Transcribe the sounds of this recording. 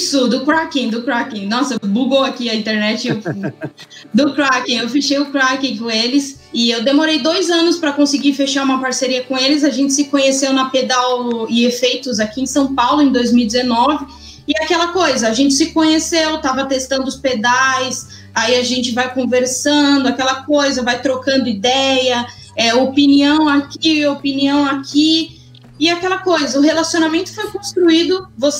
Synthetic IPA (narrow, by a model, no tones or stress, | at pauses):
sʊd̪ʊkɾakĩd̪ʊkɾakĩnɔsɐbuɡowakiɐĩt̪eɾnɛt͡ʃɪ | d̪ʊkɾakĩewfeʃejʊkɾakĩkõelɪs | ɪewd̪emoɾejd̪ojzɐ̃nʊspɾɐkõsɪɡiɾfeʃaɾũmɐpaɾseɾiɐkõelɪzaʒẽnt͡ʃɪ̥sɪkõɲesewnɐped̪awɪefejt̪ʊzakiẽsɐ̃w̃pawlʊẽd̪ojzmiuwid͡ʒ̪ɪzenɔvɪ | ɪakɛlɐkojzɐːʒẽnt͡ʃɪ̥sɪkõɲesewt̪avɐt̪est̪ɐ̃nd̪ʊʊsped̪ajs | aiaʒẽnt͡ʃɪvajkõveɾsɐ̃d̪ʊakɛlɐkojzɐvajt̪ɾokɐ̃nd̪ʊid̪ɛjɐ | ɛopiniɐ̃w̃akiopiniɐ̃w̃akʰi | ɪakɛlɐkojzɐʊɦelasionamẽnt̪ʊ̥fojkõst̪ɾuid̪ʊvos